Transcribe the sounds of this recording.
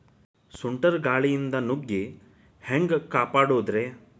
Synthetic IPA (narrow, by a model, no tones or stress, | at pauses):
suɳʈɐɾɡaːɭijind̪ɐnuɡːi | heŋɡkaːpaːɽoːd̪ɾeː